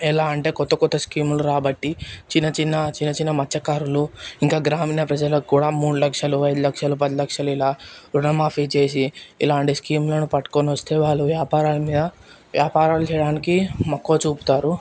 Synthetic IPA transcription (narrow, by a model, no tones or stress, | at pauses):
ilaːɐɳʈe̞ːkɔt̪ːɐkɔt̪ːɐskiːmluɾaːbɐʈːit͡ʃinːɐt͡ʃinːɐt͡ʃinːɐt͡ʃinːɐmɐt͡ʃːɐkaːɾuluiŋkaːɡɾaːmiːnɐpɾɐd͡ʒɐlɐkkːuːɽaːmuːɽulɐkʂɐluɐjd̪ulɐkʂɐlupɐd̪ilɐkʂɐluilaːɾunɐmaːpʰit͡ʃeːs̬iḭlaːɳʈiskiːmlɐnupɐʈːu̥koniʋɐst̪e̞ːʋaːɭːuʋjaːpaːɾaːlɐmiːd̪ɐ | ʋjaːpaːɾaːlut͡ʃɛjɐɽaːnikimɐkːo̞ːt͡ʃuːpu̥t̪aːɾu